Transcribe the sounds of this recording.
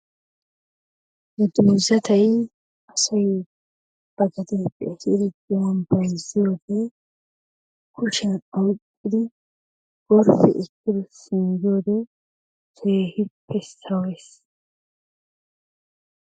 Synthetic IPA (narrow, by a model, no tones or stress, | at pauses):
nɛd̪uːzɐt̪ʰɐj | ɐsɐj | b̥ɐɡɐd̪ɛːpʼːɛ̰hɪɾɪd̪ɪwɐnbɐjzɪjo̞ːd̪ɛ | kʊʃɐnɐwkʼːɪd̪ɪ | ɡ̥ɔɾfɛ̰ʔɪkːɪd̪ɔsɪnd͡ʒo̞ːd̪ɛ | t̪ʰeːhɪpʰːɛsɐwɛs